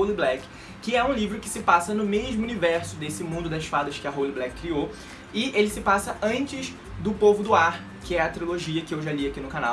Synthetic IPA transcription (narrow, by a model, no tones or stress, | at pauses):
oliblɛk | kːɪɛũlivɾʊkɪ̥sɪpasɐnʊmeʒmʊunivɛɾsʊd̪esɪmũnd̪ʊd̪ɐʃfad̪ɐʃkɪɐɦoliblɛkːɾio | ɪelɪsɪpasɐɐ̃nt͡ʃɪz | d̪ʊpovʊd̪ʊaɾ | kɪɛɐt̪ɾiloʒiɐkɪewʒaliakinʊkana̰w